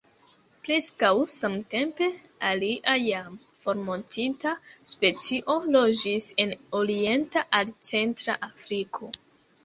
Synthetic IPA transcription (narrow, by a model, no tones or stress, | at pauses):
pɾe̞skawsamte̞mpe̞ | aliʔajam | fo̞ɾmontʰitaspe̞t͡siʔo̞lo̞d͡ʒise̞noɾie̞ntaʔalt͡se̞ntɾaʔafɾikʰo̞